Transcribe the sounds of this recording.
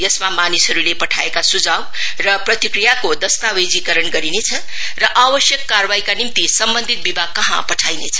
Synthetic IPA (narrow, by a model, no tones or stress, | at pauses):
jʌsmamanisɦʌɾulepʌʈʰaekasud͡zaw | rʌprʌt̪ikɾijakod̪ʌst̪awed͡zikʌɾʌnɡʌɾinet͡sʰʌ | rʌʔabʌsjʌkːarbaikanimt̪isʌmbʌnd̪ʱit̪̚bibʱaɡ̚kʌɦãpʌʈʰajnet͡sʰʌ̥